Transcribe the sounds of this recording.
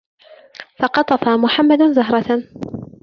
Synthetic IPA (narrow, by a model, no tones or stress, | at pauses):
fɑqɑt̪ˤɑfamʊħamːad̪zaɦɾˤɑ